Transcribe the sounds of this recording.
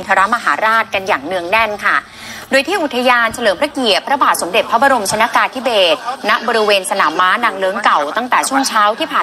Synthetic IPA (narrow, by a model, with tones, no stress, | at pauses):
t̪ʰa˧ɾa˦˥ma˧ɦaː˩˦ɾaː˥˩t̪̚ka˧njaː˨˩ŋnɯ˧əŋnɛ˥˩nkʰa˥˩ | doː˧jt̪ʰiː˥˩ʔu˨˩t̪ʰːa˧jaː˧nt͡ɕʰa˧lɤː˩˦mpʰɾa˦˥ki˨˩ət̚pɾa˧baː˨˩t̪̚so˩˦mde˨˩t̪̚pʰːa˦˥ba˧ɾo˧mt͡ɕʰa˧na˦˥kaː˧nt̪ʰi˦˥beː˨˩t̪̚na˦˥ʔbɔː˧ɾi˧˥weː˧nsa˧naː˩˦mːaː˦˥naː˧ŋlɤː˦˥ŋka˨˩wt̪a˥˩ŋt̪ɛː˨˩t͡ɕʰu˥˩əŋt͡ɕʰaː˦˥wt̪ʰiː˥˩pʰaː˨˩